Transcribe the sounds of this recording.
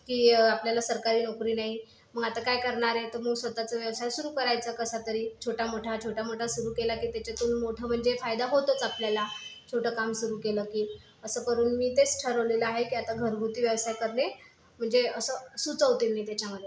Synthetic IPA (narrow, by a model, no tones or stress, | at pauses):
kiːapljalasəɾkaɾiːnokɾiːnaɦi | məɡat̪akajkəɾɳaɾet̪əɾməɡsʋət̪at͡səʋjəʋsajsuɾuːkəɾajt͡səkəsat̪əɾiːt͡ɕʰoʈʰamoʈʰat͡ɕʰoʈʰamoʈʰasuɾuːkelakiːt̪jat͡ɕat̪uːnmoʈʰəːm̤əɳd͡zefajd̪aɦot̪ət͡sapljalat͡ɕʰoʈʰəːkamsuɾuːkeləkiː | əsəːkəɾuːnmiːt̪et͡sʈʰəɾɦoleləaɦekiːat̪aɡʱəɾɡʱut̪iːʋjəʋsajkəɾle | m̤əɳd͡zeəsəsut͡səʋt̪ilnit̪et͡ɕãŋɡle